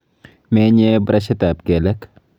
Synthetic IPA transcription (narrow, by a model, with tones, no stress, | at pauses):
meː˦ɲebɾɐʃɐt̪a˨bɡe˨lɐ˦k